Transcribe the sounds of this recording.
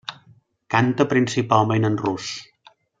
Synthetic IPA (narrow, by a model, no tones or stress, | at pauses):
kant̪əpɾinsipalˠmenənrus